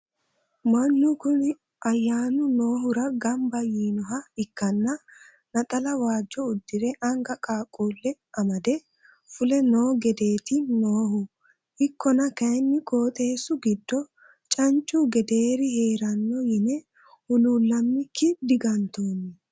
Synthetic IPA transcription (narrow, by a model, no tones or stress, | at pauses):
mɐnːʊkʊnɛ | ɐjːaːnʊno̞ːɦʊɾɐɡɐmbɐjiːnɔɦɐɪkːɐnːɐ | nɐt̪ʼɐlɐwaːd͡ʒːɔʊd̪ːɪɾɛʔɐŋɡɐkʼaːkʼuːlːɛ | ɐmɐd̪ɛ | fʊlɛno̞ːɡɛd̪e̞ːt̪ɪnoːhʊ | ʔɪkːɔnɐkɐjnːɪkʼo̞ːt̪ʼe̞ːsːʊɡɪd̪ːɔ | t͡ʃʼɐnt͡ʃʼːʊɡɛd̪eːɾɪhe̞ːɾɐnːɔjɪnɛ | hʊluːlːɐmːɪkʰːɪd̪ɪɡɐnt̪oːnːɪ